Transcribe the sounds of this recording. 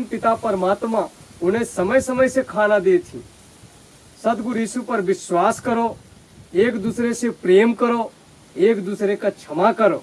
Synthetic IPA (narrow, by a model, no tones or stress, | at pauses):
npɪt̪apəɾmaːt̪mãʊnesəməjsəməjsekʰaːnãd̪eːt̪ʰḭ̃ː | sət̪ɡʊɾiːsupəɾʋɪsʋaːskəɾo | eːkd̪usɾesepɾeːmkəɾo | eːkd̪usɾekat͡ʃʰəmakəɾoː